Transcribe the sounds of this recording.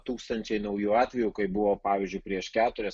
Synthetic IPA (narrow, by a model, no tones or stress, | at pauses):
t̪uːkst̪ɐnʲt͡ʃʲɛɪnɐʊjuːɑːt̪ʲʋʲɛjuːkɐɪbʊʋoːpɑːʋʲɪːzʲd͡ʒʊɪpʲɾʲiɛʃkʲæːt̪ʊɾʲɛs